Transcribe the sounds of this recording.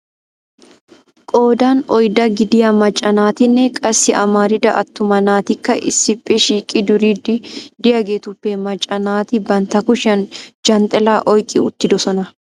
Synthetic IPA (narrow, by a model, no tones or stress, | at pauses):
kʼoːd̪aːnɔjd̪ɐɡɪd̪ɪjɐmɐt͡ʃʼːɐnaːt̪ɪnːɛkʼɐsːɪʔɐ̰maːɾɪd̪ɐʔɐ̰t̪ːʊmɐnaːt̪ɪkːɐʔɪ̰sːɪpʼːɛʃiːkʼɪd̪ʊɾid̪ɪd̪ɪjɐɡeːt̪ʊpːeːmɐt͡ʃʼːɐnaːt̪ɪbɐnt̪ɐkʊʃɐnd͡ʒɐnt̪ʼɛlaːʔɔjkʼɪ̰ʊ̰t̪ːɪd̪ɔsɔnɐ